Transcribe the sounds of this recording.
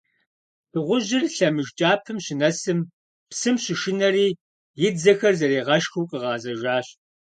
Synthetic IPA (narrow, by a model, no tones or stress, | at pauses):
b̥ʰɨʁʷʊʑɪrɬɐmɨʒt͡ʃʼaːpʰɨmɕɪnɐsɨm | psɨmɕɪʃɪnɐriː | jɪdd͡zɐxɐrzɐɾeːʁɐʃxuwqʼəʁɑːzɐʒaːɕ